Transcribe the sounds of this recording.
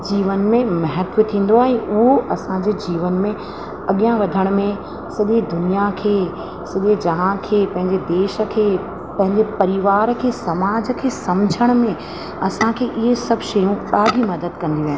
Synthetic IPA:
d͡ʑiːʋənmẽmɐɦət̪ʋət̪ʰĩːn̆d̪oaːɛ̃ːʔʊɦoʔɐsãd͡ʑeːd͡ʑiːʋənmẽ | ɐɠijãʋɐd̪ʱəɽ̃mẽ | sɐɠid̪ʊnijakʰeː | sɐɠed͡ʑɐɦãkʰeːpɐ̃ɦɪ̃ɲd͡ʑed̪eːʃə̆kʰeː | pɐ̃ɦɪ̃ɲd͡ʑepɐɾɪʋaːɾkʰeːsɐmaːd͡ʑəkʰeːsɐmd͡ʑʱəɽ̃ʊ̆mẽ | ɐsãkʰeːʔɪɦesɐbʱʃɐjũɗaːɖʱimɐd̪əd̪kɐ̃nd̪iʋe

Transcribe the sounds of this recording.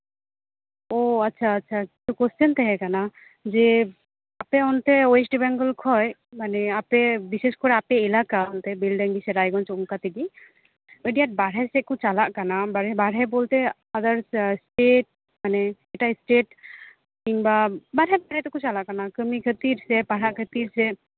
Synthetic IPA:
oatːʃʰaːtːʃʰaki̥t̪ukost̪ʰənt̪ɛɦɛ̃kana | ze | apeɔnt̪ɛoesʈibɛŋɡəlkʰɔjmaneapebiseskɔɾeapeːlakaɔnt̪ɛbilɖəŋɡiseɾajɡɔnt͡ʃuŋkat̪ʰiɡi | əɖijaʈ̚baɽɦɛsɛkut͡ʃalaʔkanabaɽɛbaɽɦɛbolt̪e | ad̪aɾssʈeʈ̚ | maneɛʈasʈeʈ | kiŋbabaɽɦɛbaɽɛt̪ekut͡ʃalaʔkanakəmikʰət̪iɾsɛpaɽaʔkʰət̪iɾsɛ

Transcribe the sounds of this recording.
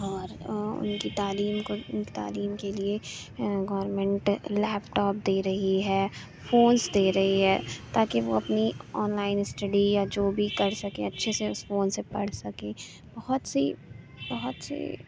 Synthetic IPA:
ɔːɾʊ̰nkit̪aːliːmkoʊnkit̪a̰ːliːmkelieɡɔːəɾmɛ̃ɳʈlɛːpʈɔːp̚d̪eːɾɐɦiɦɛː | foːnsd̪eːɾɐɦiɦɛːt̪aːkeʋoɐpniɔːnlaːɪnsʈɐɖijad͡ʒoːbʱikɐɾsɐkḛ̃ɐtːʃʰeseʊsfoːnsepɐɽ̤sɐkẽː | b̥ɐɦʊt̪sḭ | bɐɦʊt̪sḛ

